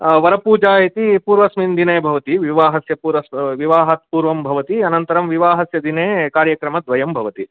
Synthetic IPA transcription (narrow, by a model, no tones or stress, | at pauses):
ʋɐɾɐpuːd͡ʒaːjit̪ipuːɾʋɐsmind̪ineːbʱɐʋɐt̪iʋiʋaːɦɐsjɐpuːɾʋɐsʋiʋaːɦɐt̪̚puːɾʋɐmbʱɐʋɐt̪iɐnɐnt̪ɐɾɐmʋiʋaːɦɐsjɐd̪ineːkaːɾjɐkɾɐmɐd̪ʋɐjɐmbʱɐʋɐt̪i